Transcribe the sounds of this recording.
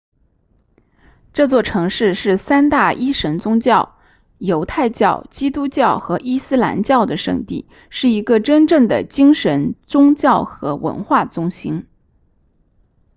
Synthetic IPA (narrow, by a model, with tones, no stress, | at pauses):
ʈ͡ʂɤ˥˧t͡swɔ˥˩ʈ͡ʂʰɤ˧˥ŋʂɻ̩˥˧ʂɻ̩˥˩sa˥nt̪a˥˩ʔi˥ʂə˧˥nt͡sʊ˥ŋt͡ɕjɑ˥˩ʊ | jo˧˥ʊt̪ʰa˥˧ɪt͡ɕjɑ˥˩ʊt͡ɕi˥t̪u˥t͡ɕjɑ˥˩ʊxɤ˧˥ʔi˥sɹ̩˥la̰˧˥nt͡ɕjɑ˥˩ʊd̪ə˩ʂɤ̰˥˧ŋt̪ḭ˥˩ | ʂɻ̩˥˩i˧˥ɡə˥˧ʈ͡ʂə˥nʈ͡ʂɤ˥˩ŋd̪ə̰˩t͡ɕi˥ŋʂə˧˥nt͡sʊ˥ŋt͡ɕjɑ˥˩ʊxɤ̰˧˥wə̰˧˥nxwa˥˩t͡sʊ˥ŋɕi˥n